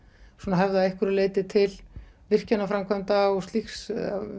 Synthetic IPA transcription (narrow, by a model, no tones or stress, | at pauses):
sunaɦɛvðɪaehkvʏɾleːjt̪ɪt̪ʰɪlvɪr̥canːafɾamkʰvœnt̪aɔɣst̪lixs